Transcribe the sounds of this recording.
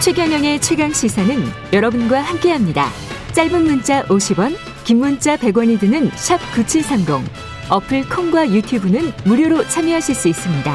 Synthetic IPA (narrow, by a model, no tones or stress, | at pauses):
t͡ɕʰwe̞ɡjʌŋjʌŋe̞t͡ɕʰwe̞ɡaŋɕ͈ʰisʰanɯn | jʌɾʌbɯnɡwahamk͈e̞ɦamɲida̰ | t͡ɕ͈aɭbɯnːunt͡ɕ͈aʔoɕʰibʌn | kimːunt͡ɕ͈ape̞ɡwaɲidɯnɯnɕʰʌp̚kut͡ɕʰisʰamɡo̰ŋ | ʌpʰɯɭkʰʌŋɡwajutʰjubunɯnmuɾjoɾot͡ɕʰamjiɦaɕʰiɭs͈uis͈ɯmɲida